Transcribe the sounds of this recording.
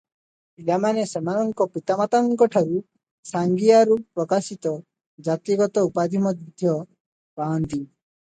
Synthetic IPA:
ilamanesemanɔŋkɔpit̪amat̪aŋkɔʈʰaɾu | saŋɡijaɾupɾɔkasit̪ɔ | d͡ʒat̪iɡɔt̪ɔupad̪ʱimɔd̪id̪ʱjɔ | paɔnt̪i

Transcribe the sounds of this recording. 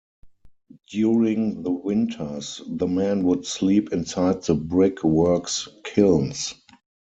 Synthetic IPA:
d̥juɹɪ̃ŋðəwɪ̃ntʰə˞sðəmæ̃nwʊdsliːpɪ̃nsaɪd̪̚ðəbɹɪkʰwɜ˞kskʰɪlns

